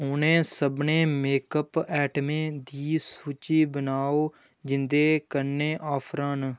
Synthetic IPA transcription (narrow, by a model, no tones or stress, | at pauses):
ʊnẽːsəbnẽːmeːkəpɛːʈmẽːd̪iːsuːt͡ʃiːbənaːoː | d͡ʒɪnd̪eːkəɾneːʔaːpʰɾãːn